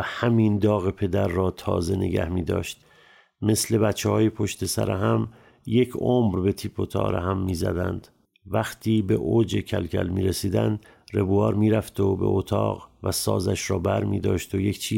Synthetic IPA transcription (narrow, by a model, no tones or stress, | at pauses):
æhæmiːnd̪ɒːɣepʰe̞d̪æɾːɒːt̪ʰɒ̰ːze̞ne̞̰ɡæ̰hmiːd̪ɒ̰ːʃt̪ | me̞sle̞bæt̪t͡ʃʰːehɒːjepʰo̞ʃt̪e̞sæ̰ɾeɦæm | jecʰomɾbe̞t̪ʰiːpʰot̪ʰɒ̰ːɾeɦæmːiːzæ̰d̪æ̰nd̪̥ | væχt̪ʰiːbe̞ʔod͡ʒe̞cʰæ̰lcʰæ̰lmiːɾesiːd̪ænd̪ | re̞buɒːɾmiːɾæft̪obe̞̰ʔot̪ʰɒ̰ːɣvæsɒ̰ːzæʃɾɒːbæɾmḭːd̪ɒːʃt̪oje̞kt͡ʃʰiː